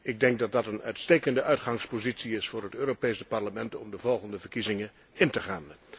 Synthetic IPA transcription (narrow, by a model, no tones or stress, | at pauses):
ɪɡ̚dɛŋɡ̚dɑt̚dɑtənœ̰ɥtstejkəndəʔœɥtχɑŋspozitsiɪsfʊːɹɦətøːropejsəpɑɹləmɛntɔmdəvɔlˠχəndəvəɹkizɪŋə | ɪntəχaːn